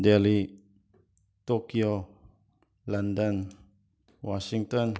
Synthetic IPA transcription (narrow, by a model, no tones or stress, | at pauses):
dɛli | t̪okio | landən | wasiŋt̪ɔ̃n